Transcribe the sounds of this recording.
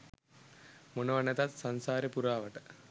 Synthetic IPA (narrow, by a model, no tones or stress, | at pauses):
monɐʋanɐt̪at̪sansaːɾəpuɾaːʋəʈə